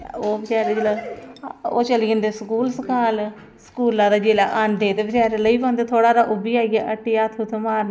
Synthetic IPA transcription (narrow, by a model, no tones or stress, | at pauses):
oːbɪt͡ʃaːɾed͡ʒela | o̰ːt͡ʃəliːə̃nd̪eːskuːlskaːl | sə̥kuːlãːd̪aːd͡ʒeːlaːʔaːnɖ̪eːt̪eːbɪt͡ʃaːɾeləiːpãːnd̪eːt̪ʰoːɽaːɾaːʔʊbiːaːɡaːʔəʈːiːaːt̪ʰut̪ʰmaːɾn